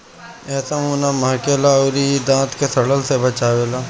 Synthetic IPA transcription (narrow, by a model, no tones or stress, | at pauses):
ɛːsaɦoːnamɐɦkelaoɾid̪ãːt̪kesɐɽəlsebɐt͡ʃaːʋeːlaː